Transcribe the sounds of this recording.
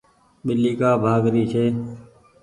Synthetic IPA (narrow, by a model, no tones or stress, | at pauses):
ɓɪlːiːkaːbʱaːɡɾiːt͡ʃʰeː